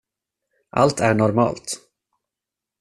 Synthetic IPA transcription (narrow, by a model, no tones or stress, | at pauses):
ʔa̰lt̪ʰæɳɔɾmɑ̰ːlt̪